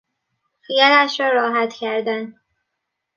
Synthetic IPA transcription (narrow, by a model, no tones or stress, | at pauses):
xijælæʃɾɒːɾɒːɦæt̪cʰæɾd̪æn